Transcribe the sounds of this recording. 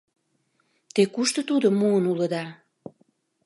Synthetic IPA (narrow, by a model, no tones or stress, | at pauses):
t̪ekuʃt̪ə̆t̪ud̪omuənulə̆d̪ɑ